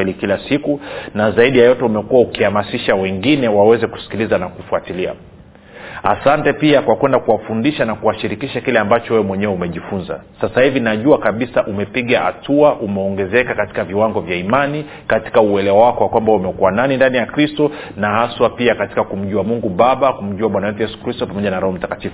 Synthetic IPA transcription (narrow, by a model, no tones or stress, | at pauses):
ɛlikilasikunazaiɗijajɔtɛumɛkuwaukihamasiʃawɛŋɡinɛwawɛzɛku̥si̥kilizanakufuatilia̰ | a̰santɛpiakwakwɛndakuwafundiʃanakuwaʃiɾikiʃakilɛambat͡ʃɔwɛwɛmwɛɲɛɛumɛʄifunza̰ | sasahivinaʄuakaɓisaʔumɛpiɠaha̰tuaʔumɛɔŋɡɛzɛkakati̥kaviwaŋɡɔvjaimani | kati̥kauɛlɛwawakɔwakwambaumɛkuwananindanijakɾistɔnahaswapiakati̥kakum̩ʄuamuŋɡuɓaɓakum̩ʄuaɓwanawɛtujɛsu̥kɾistɔpamɔʄanaɾɔhɔm̩takatifu